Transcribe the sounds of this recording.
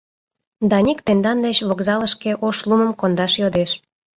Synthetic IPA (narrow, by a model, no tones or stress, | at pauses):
d̪ɑnʲikt̪end̪ɑnd̪et͡ɕβokzɑləʃkeʔoʃluməmkond̪ɑʃjod̪eʃ